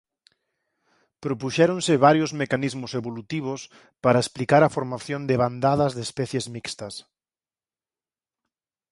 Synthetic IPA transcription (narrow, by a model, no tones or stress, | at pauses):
pɾopuʃɛɾõnsɪβaɾjʊzmekanizmʊseβolut̪iβ̞ʊs | paɾɐesplikaɾɐfoɾmaθjond̪eβand̪aðɐzðespɛθjezmikst̪ɐs